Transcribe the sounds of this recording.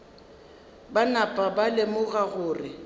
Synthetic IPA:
banapʼabalɪmʊɣaɣʊːrɪ

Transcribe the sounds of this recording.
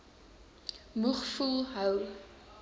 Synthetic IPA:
muχfulˠɦəw

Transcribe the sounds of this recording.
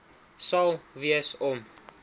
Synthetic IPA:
sɐlˠviəsɔm

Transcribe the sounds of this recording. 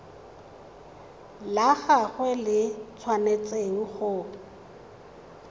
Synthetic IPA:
laɣaɣwɛlɪt͡sʰwanet͡sʼeŋ̩χʊ

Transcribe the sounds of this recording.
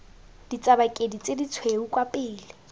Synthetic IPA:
d̥it͡sʼabakʼedit͡sʼedit͡sʰweukʼwapʼɪːlɪ

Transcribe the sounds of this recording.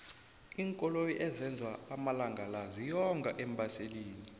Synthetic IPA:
iŋkʼɔlojiʔɛzɛnd͡zʱwaːmalaŋɡʱalazijɔŋɡʱaʔɛmbʱaseliːni

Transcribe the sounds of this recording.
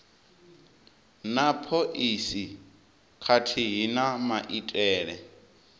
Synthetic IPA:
napʰoʔisi | kʰatʰiɦinamaʔitʼɛːɺɛ

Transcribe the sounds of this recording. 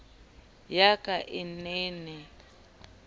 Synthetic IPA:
jakʼaʔɪneːnɪ

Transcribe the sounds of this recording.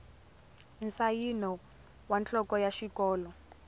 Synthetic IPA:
insajinɔ | want͡ɬɔkɔjaʃikɔːlɔ

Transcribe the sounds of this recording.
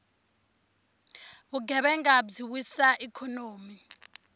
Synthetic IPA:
ɓuɡʱɛɓɛŋaziwisaʔɛkʰɔnoːmi

